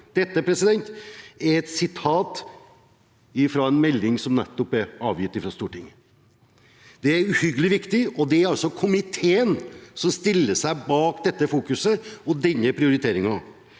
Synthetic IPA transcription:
d̪̥ɛt̪ːəpʰɾɛsɪd̪ɛnt̪ɛɾɛt̪sɪt̪ʰɑːt̪ | ɪfɾɑɛnmɛlːɪŋsɔmnɛt̪ːɔpæɾɑːʋjɪt̪ːɪfɾɑst̪uːʈɪŋːə | d̪̥ɛæɾʉhʏɡəlɪʋɪkt̪ɪɔd̪ɛæɾɑlsɔkʰʊmɪt̪ʰeːənsɔmst̪ɪlːəʂæɪbɑːkd̪ɛt̪ːəfuːkʉsəɔd̪ɛnːəpʰɾɪʊɾɪt̪ʰeːɾɪŋɑ

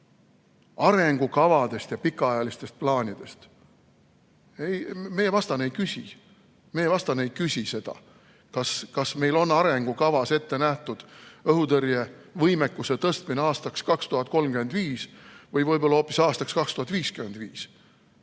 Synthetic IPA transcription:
ɑɾe̞ŋɡ̥ukɑvɑd̪̥e̞st̪jɑpikːˑɑɑjɑlist̪e̞st̪̚plɑːnʲid̪̥e̞st̪ | ejme̞jevɑst̪ɑnejkysʲḭ | mejevɑst̪ɑnejkysʲise̞d̪̥ɑ̰ | kɑskɑsme̞jlo̞nːɑɾe̞ŋɡ̥ukɑvɑse̞t̪ːe̞næht̪ud̪̥ɤɦut̪ɤɾjevɤjmekːuse̞t̪ɤst̪mineɑːst̪ɑkskɑkst̪uɦɑt̪̚ˑko̞lmɡyme̞nd̪viːsvɤjvɤjbo̞lːɑhoːpːˑisɑːst̪ɑkskɑkst̪uhɑt̪ːˑviːskymend̪viːs

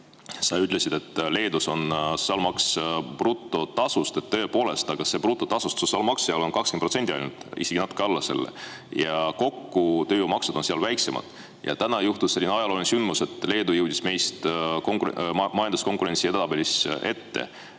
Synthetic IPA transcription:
sɑyt̪ːˑle̞sid̪̥e̞t̪ːˑle̞ːd̪uso̞nsosɑlmɑksprut̪ːˑo̞t̪ɑsust̪et̪ːø̞epo̞ːle̞st̪ɑɡ̥ɑse̞prut̪ːˑo̞t̪ɑsust̪sosɑlmɑkseɑlo̞nkɑkskenprosent̪ʲːˑiɑjnud̪̥ḭse̞ɡ̥inɑt̪ːˑu̥keɑlːɑse̞̰lːḛjɑko̞kːut̪ø̞ːjowmɑksed̪o̞nseɑlvæjkse̞mɑ̰d̪̥ | jɑ̰t̪ænɑjuht̪usːelʲːinɑjɑlo̞ːlʲnsynd̪muse̞t̪ːˑle̞ːd̪ujɤwd̪̥ʲisme̞jst̪koŋkumɑjɑnd̪usko̞ŋkuɾe̞nʲsie̞d̪ɑbe̞lise̞t̪ːe̞̰

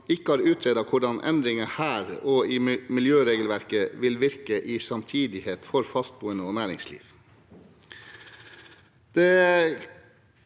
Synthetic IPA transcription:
ɪkəɑːɾʉːt̪ʰɾeːd̪ɑkʰʊɖɑnʔɛ̰nd̪ɾɪŋəhæːɾɔiːmɪljøːɾeːɡəlʋæɾkəʋɪlʋɪɾkəʔiːsɑmt̪ʰiːd̪ɪheːt̪fɔɾfɑst̪̚buːənəoːnæːɾɪŋslḭːʋ | d̪̥ɛ

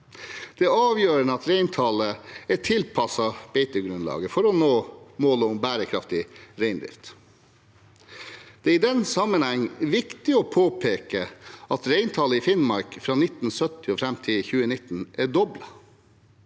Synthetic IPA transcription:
d̪̥ɛɑːʋjøːɾənəɑt̪ɾeɪnt̪ʰɑləæt̪ʰɪlpʰɑsɑb̥ɛɪt̪əɡɾʉnlɑ̰ːɡəfɔɾɔnoːmoːləʊmbæːɾəkʰɾɑft̪ɪɾeɪnd̪ɾɪ̰ft̪ | d̪̥ɛːɾɪd̪ɛnsɑmənhæŋːʋɪkt̪ɪɔːpʰoːpʰeːkəɑt̪ɾeɪnt̪ʰɑləɪfɪnmɑɾkfɾɑːnɪt̪n̩sœt̪ɪɔːfɾæmt̪ʰɪçʉːənɪt̪ːn̩ʔɛɖɔblɑ

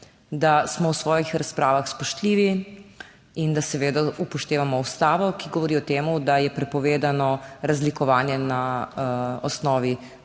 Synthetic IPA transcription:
d̪asmɔwsʋɔːjixɾaspɾʔaːʋaxspɔʃt̪liːʋi | ind̪asɛʋeːd̪aupɔʃt̪eːʋamɔust̪aːʋɔkiɡɔʋɔɾiːɔt̪eːmud̪ajɛpɾɛpɔʋeːd̪anɔɾazlikɔʋaːnjɛna | ɔsnɔːʋi

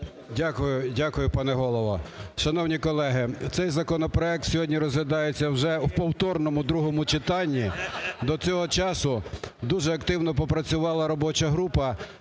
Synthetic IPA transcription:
dʲakʊjʊdʲakʊjʊpɑnɛɦɔlˠɔʋɔ̰ʃɐnɔwnʲikɔlˠɛɦɪt̪sɛjzɐkɔnɔpɾɔɛk̚t̪sʲɔɦɔdʲnʲiɾɔzɦʋʲɐd̪ɑjet͡sʲːɐwʒɛwpɔwt̪ɔrnɔmʊd̪ɾuɦɔmʊt͡ʃɪt̪ɑnʲːid̪ɔt͡sʲɔɦɔt͡ʃɑsʊd̪uʒɛɐkt̪ɪwnɔpɔpɾɐt͡sʲʊʋɑlˠɐɾɔbɔt͡ʃɐɦɾupɐ

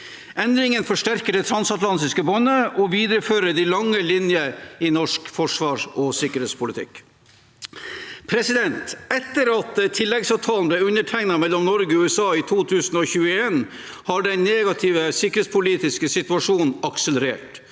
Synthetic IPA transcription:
ɛnd̪ɾɪŋənfɔʂʈæɾkəɖɛt̪ʰɾɑnsɑt̪lɑnt̪ɪskəbɔnːəʔɔʋiːd̪ɾəføːɾəd̪ilɑŋːəlɪnjəɪnɔʂkfɔʂʋɑːʂɔsɪkːəɾheːt̪spʰʊlɪt̪ʰɪ̰k | pʰɾɛsɪd̪ɛnt̪ɛt̪ːəɾɑt̪t̪ʰɪlːɛɡsɑʋt̪ʰɑːln̩blɛʉnːəʈʰæɪɡnɑmɛlːɔmnɔɾɡəɔʉːɛsɑːit̪ʰuːt̪ʰʉːsən̩ɔçʉːəeːn | hɑɖɛɪnneːɡɑt̪ʰɪʋəsɪkːəɾeːtspʰʊliːt̪ɪskəsɪt̪ʉɑʂuːnnɑksələɾḛːʈ

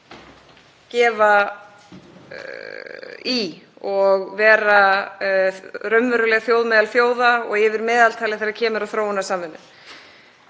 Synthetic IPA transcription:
cɛːva | iɔɣvɛːɾa | ɾœmvœɾʏlɛɣaθjoːwðmɛːðalfjoːwðaɔɣɪvɪɾmɛːðalt̪ʰaːlɪθejɾacʰɛːmɪɾawθɾoːwʏnasaːmvʏnːʏ̰m

